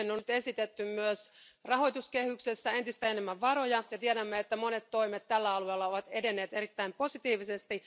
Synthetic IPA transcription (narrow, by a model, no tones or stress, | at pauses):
enːonyt̪esit̪et̪ːymmyøsrɑho̞jt̪uske̞hyksesːæent̪ist̪æenemːæʋːɑɾo̞jɑjɑt̪ieɾæmːeet̪ːæmo̞net̪tːo̞imet̪t̪ːælːæɑlueːlːɑo̞ʋɑt̪edenːe̞ːt̪e̞ɾit̪ːæimpo̞sit̪iːʋisest̪i